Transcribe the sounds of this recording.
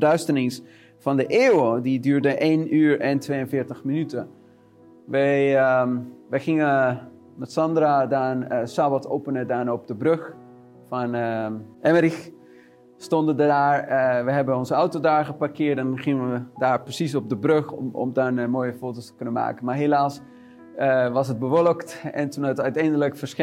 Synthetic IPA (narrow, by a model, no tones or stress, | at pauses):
ədœɥstənɪŋs | fɔndəʔeːwədidyːɹdəʔeːnyːɹɛntʋeːənfɪːɹtəxminytə | ʋəj | ʋəxɪŋə | mɛtsɑndradanəsabatowpənədaːnop̚dəbrøx | fɔn | ɛməɾix | stɔndəndədaːɹʋəɦɛbənɔnzəawtodaːɹɣəparkɪərt̚dɔnχɪŋəʋədaːrprəsis̬ɔp̚dəbrøxɔ̰mdanmoːjəfoːtostə̥kønənma̰ːkənmaɹɦelaːs | ʋɔsɦət̚bəʋolˠəktɛ̰ntunaətœɥtɛjndələkfəs